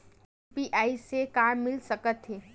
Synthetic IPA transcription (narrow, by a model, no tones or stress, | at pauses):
piʔaːisekaːɾmɪlsəkət̪ɦeː